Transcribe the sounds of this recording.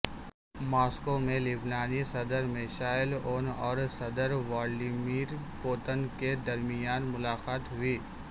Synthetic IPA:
maːskomẽlɪbnaːnisɐd̪əɾmeːʃaːɪloːnɔːɾsɐd̪əɾʋaːlɖimiːɾpoːt̪ənked̪ɐɾmɪjaːnmʊlaːqaːt̪ɦʊiː

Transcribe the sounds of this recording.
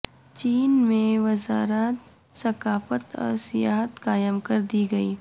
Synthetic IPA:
t͡ʃiːnmẽʋɐzaːɾat̪ | sɐkaːfət̪ɔ̰ːɾsijaːɦət̪kaːjəmkɐɾd̪iɡɐiː

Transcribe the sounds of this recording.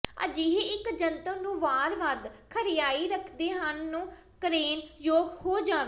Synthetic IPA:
ə̰d͡ʒiːɦeɪkd͡ʒənt̪ənũːʋaːɾʋad̪kʰəɾɪjaːiːɾəkʰd̪eːɦənːũː | kɾeːnjoːɡhoːd͡ʒaːʋeː

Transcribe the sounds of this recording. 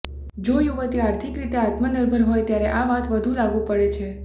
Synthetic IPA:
d͡ʒojuʋət̪iaɾt̪ʰikɾit̪eat̪mənəɾbʱəɾɦojt̪jaɾeʔaʋat̪ʋəd̪ʱũlaɡũpəɭet͡ʃʰe

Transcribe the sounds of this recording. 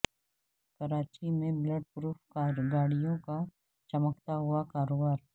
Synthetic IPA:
kɐɾaːt͡ʃimẽbləɖ̚pɾuːpʰkaɡaːɽijõka | t͡ʃɐməkt̪aɦʊakaːɾoːbaːɾ

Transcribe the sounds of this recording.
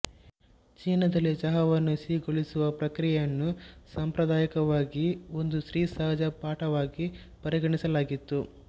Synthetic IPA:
t͡ʃiːnɐd̪ɐlːit͡ʃɐɦɐʋɐnːusiːɡoɭisuʋɐpɾɐkɾijɐnːusɐmpɾɐd̪aːjɐkɐʋaːɡio̞nd̪uʃɾiːsaːɐd͡ʒɐpaːʈɐʋaːɡi | pɐɾiɡɐɳisɐlaːɡit̪ːu

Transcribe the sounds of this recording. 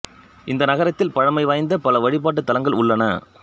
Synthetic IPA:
ʔɪnd̪ɐnɐɣɐɾɐt̪ːɪlpɐɻɐmɐɪʋaːjnd̪ɐpɐlɐʋɐɻɪp̬ːaːʈ̬ːɯt̪ːɐlɐŋɡɐɭʊɭːɐnɐ̰

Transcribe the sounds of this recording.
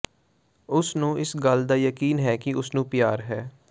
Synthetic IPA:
ʊsnũːʔɪsɡəld̪aːjəkiːnɦɛːkɪʊsnũːpɪjaːɾɦɛː

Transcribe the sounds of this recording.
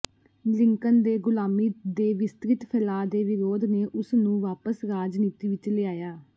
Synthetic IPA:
lɪŋkənd̪eːɡʊlaːmiːd̪eːʋɪst̪ɾɪt̪pʰɛlaːd̪eːʋɪɾoːd̪neːʔʊsnũːʋaːpəsɾaːd͡ʒniːt̪iːʋɪt͡ʃlɪaːjaː

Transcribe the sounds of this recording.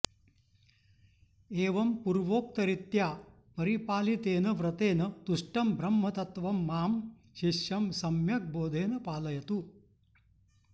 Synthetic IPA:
eːʋɐmpuɾʋoːk̚t̪ɐɾit̪jaː | pɐɾipaːlit̪eːnɐʋɾɐt̪eːnɐt̪uʂʈɐmbʱɾɐmːɐt̪ɐt̪ʋɐmːaːm | ʃiʂjɐmsɐmjɐk̚boːd̪ʱeːnɐpaːlɐjɐt̪u

